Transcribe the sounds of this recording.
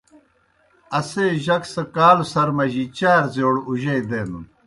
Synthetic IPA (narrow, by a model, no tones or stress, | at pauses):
ɐseːʑɐksɐkaːlusɐɾmɐʑit͡ɕaːɾzoːɽuʑɐjd̪eːnun